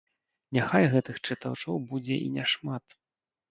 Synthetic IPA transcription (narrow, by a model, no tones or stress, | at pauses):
nʲaxajɣɛt̪ɨxt͡ʂɨt̪awt͡ʂɔwbud͡zʲɛ̰ʔḭnʲaʂmat̪